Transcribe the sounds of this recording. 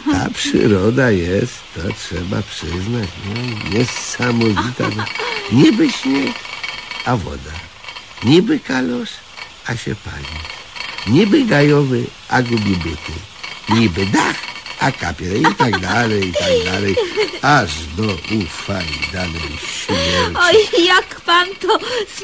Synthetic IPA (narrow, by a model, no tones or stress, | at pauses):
a̰pʂɨ̰ɾɔd̪ajɛst̪ːɔtʂɛba̰pʂɘznat͡ɕɲɛɲɛsamɔvʲit̪a̰ɡɲibɘɕɲeɛkavɔ̰d̪a | ɲibɘkalɔʂ | aɕɛ̰pa̰lʲiɲibɨɡajɔvɨʔaɡubʲibut̪ɨ̰ | ɲibɘd̪axaka̰pʲjɛɾɛit̪aɡd̪alɛjit̪aɡd̪alɛjaʐd̪ɔʔufalʲid̪alɛ̰jɕimɛɔjjakpant̪ɔ